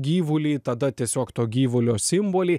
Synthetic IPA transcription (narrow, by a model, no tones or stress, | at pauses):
ɡʲiːʋʊlʲiːt̪ɐd̪ɐt̪ʲiɛsʲoːkt̪oːɡʲiːʋʊlʲoːsʲɪmboːlʲiː